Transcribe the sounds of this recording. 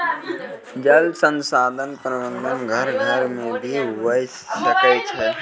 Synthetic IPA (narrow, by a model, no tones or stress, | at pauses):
d͡ʒəlsənsaːd̪ʱənpɾəʋə̃nd̪ənɡʱəɾɡʱəɾmed̪ʱiʋəjsːəkɛt͡ʃʰɛ